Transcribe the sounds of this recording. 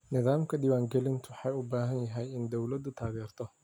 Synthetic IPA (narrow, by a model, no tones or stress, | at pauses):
nɪðaːmkʰɐɗɪwaːŋɡɛlɪnt̪ʰʊħɑjʊbaːɦɐnjɐɦɛjɪnd̪ɔwlɐd̪ʊt̪ʰaːɣɛːrt̪ʰɔ